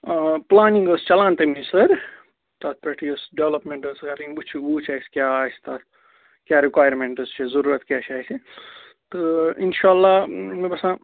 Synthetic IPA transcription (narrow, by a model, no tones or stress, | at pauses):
plaːnĩŋɡəst͡ʃɐlaːnt̪emisɐɾ | t̪at̪̚ʰpɾeʈʰiəsɖeʋlɐpmẽɳʈəsaɾiŋbut͡ʃʰuuːt͡ʃʰajskʲjaːast̪at̪ | kjaːɾikwaːjəɾmẽɳʈəst͡ʃʰezɐɾuɾɐt̪kʲat͡ʃʰaːsʰi | t̪ɨinʃaːlːamebɐsã